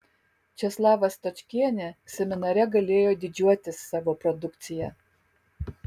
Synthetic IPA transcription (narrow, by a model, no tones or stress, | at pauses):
t͡ʃʲɛslˠɑːʋɐst̪ɔt͡ʃʲkʲiɛnʲɪsʲɛmʲɪnɐɾʲɛɡɐlʲeːjoːd̪ʲɪd͡ʒʲuɔt̪ʲɪsːɑːʋoːpɾɔd̪ʊkt̪sʲɪjɛ